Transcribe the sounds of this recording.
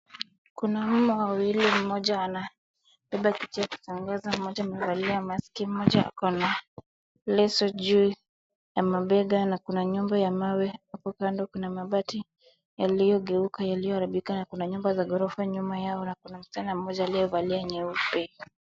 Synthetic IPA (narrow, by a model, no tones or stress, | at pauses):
kunam̩mɔwawilim̩mɔʄaːna | ɓɛɓakitijaku̥saŋɡazam̩mɔʄaːmɛvaliamaskim̩ɔʄaa̰kɔna | lɛsɔʄuː | jamaɓɛɡanakunaɲumbajamawɛhapɔkandɔkunamaɓati | jalijɔɠɛukajalijɔhaɾiɓikanakunaɲumbazaɡɔɾɔfaɲumajaɔnakunam̩stanam̩mɔʄaːlijɔvaliaɲɛupɛ